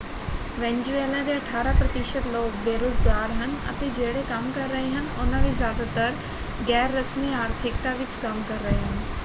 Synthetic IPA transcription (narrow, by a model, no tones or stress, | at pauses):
ʋẽːɲd͡ʑueːlãd̪eɐʈʰaːɾapɾɐt̪ɪʃət̪loːkbeːɾoːzɡaːɾɦən̆ɐ̰t̪ed͡ʒeːɽekɐmkɐɾːɐɦeɦənɪ̆ʊnəʋizjaːd̪at̪əɾ | ɡɛːɾːɐsmiaːɾt̪ʰɪk̚t̪aʋɪt͡ʃkɐmkɐɾːɐɦeɦənɪ̆